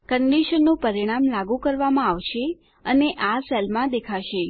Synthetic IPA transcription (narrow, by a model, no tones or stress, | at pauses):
kəɳɖiʃənːũpəɾiɽ̃amlaɡũkəɾʋamãaʋʃe | əneʔasɛlmãd̪ekʰaʃe